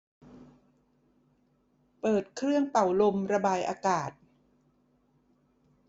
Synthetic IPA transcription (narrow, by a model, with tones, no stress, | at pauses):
pɤː˨˩t̪̚kʰɾɯ˥˩əŋpa˨˩wlo˧mɾa˧baː˧jʔaː˧kaː˨˩t̪̚